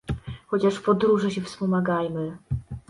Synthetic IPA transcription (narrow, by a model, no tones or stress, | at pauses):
xɔt͡ɕaʂpɔd̪ɾuʐɛɕɛfspɔmaɡajmɘ